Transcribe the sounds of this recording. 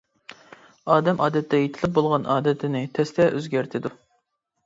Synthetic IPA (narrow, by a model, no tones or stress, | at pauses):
ɑːd̪ɛmʔɑːd̪ɛt̪ʰːɛjet̪ʰɪlɪp̚bolˠʁɑnɑːd̪ɛt̪ʰɪnɪt̪ʰɛst̪ʰɛʔøzɡʲæɾt̪ʰɪd̪u